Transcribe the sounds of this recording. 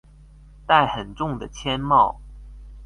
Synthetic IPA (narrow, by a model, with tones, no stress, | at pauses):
t̪a˥˩ɪxə˨˩nʈ͡ʂʊ˥˩ŋd̪ə˨˩t͡ɕʰjɛ˥˦nmɑ˥˩ʊ